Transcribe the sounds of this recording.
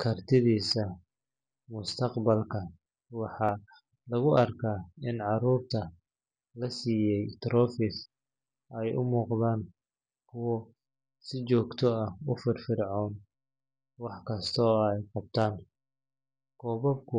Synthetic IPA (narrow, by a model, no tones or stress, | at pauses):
kʰɐrt̪ʰɪðiːsɐ | mʊst̪ʰɐqbɐlkʰɐ | wɑħɑː | lɐɣʊʔɐrkʰaːɪnʕɑɾuːrt̪ʰɐ | lɐsiːjɛjt̪ɾɔːfɪs | ʔɛjʔʊ̰muːqðaːn | kʰʊwɔ | sɪt͡ʃɔːɡt̪ʰɔɐʊfɪrfɪɾʕɔːn | wɑħkʰɐst̪ʰɔːɛjqɑb̚t̪ʰaːn | kʰɔːβɐbkʰʊ